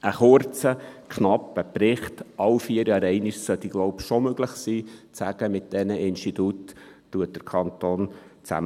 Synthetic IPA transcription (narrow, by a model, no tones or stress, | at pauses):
ʔəχʊɾt͡səkʰnɑpːəpɾɪχtʔɑwfiəɾjɑːɾɛɪniʃsœt̪iɡ̥loʊpʃomøɡləχsiːt͡sæɡ̥əmɪt̚d̥ɛnəʔɪnʃtit̪utː | uət̚d̥əɾkʰɑnt̪oːnt͡sæ̰m